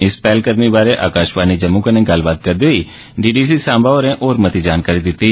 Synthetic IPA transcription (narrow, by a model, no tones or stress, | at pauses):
ɪspɛːlkəd̪mibaːɾeʔaːkaːʃbaːnid͡ʒɐmũkanẽɡɐlbaːd̪̚kɐɾd̪ii | ɖiːɖiːs̬isãːmbaoːɾɛ̃ʔoːɾmɐt̪id͡ʒaːnkaːɾid̪ɪt̪ːiː